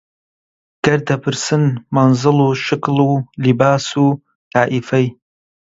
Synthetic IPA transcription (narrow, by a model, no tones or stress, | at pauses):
ɡ̥ɐrdʰɐpʰɨrsɨnmanzɨluːʃɪkʰlulibaːsuː | tʰaːʔifɐj